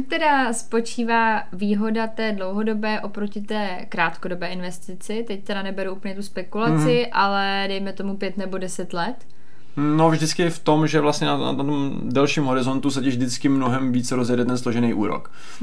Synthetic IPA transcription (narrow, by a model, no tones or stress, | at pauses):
t̪ɛdaspo̞t͡ʃiːvaː | viːɦo̞dat̪ɛːdlo̞wɦo̞do̞bɛːʔo̞pɾo̞cɪt̪ɛː | kɾaːt̪kodobɛːʔɪnvɛst̪ɪt͡sɪt̪ɛc̚t̪ɛɾanɛbɛɾuʔupəɲɛt̪uspɛkulat͡sɪʔalɛ | dɛjmɛt̪o̞mupjɛt̪nɛbo̞dɛsɛt̪lɛt̪ | novʒdɪt͡skɪft̪o̞mʒɛvlast̪ɲɛnana̰t̪t̪om | dɛlʃiːmɦo̞ɾɪzo̞nt̪us̬ɛcɛʒvdɪt͡skɪmnoɦɛmviːt͡sɛɾozjɛdɛt̪ɛnslo̞ʒɛnɛjʔuːɾo̰k